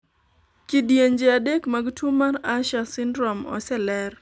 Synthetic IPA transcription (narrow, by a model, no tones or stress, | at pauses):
kidjeɲd͡ʒeadekmaɡtʰumaraʃasɪndɾɔmɔ̰sɛlɛr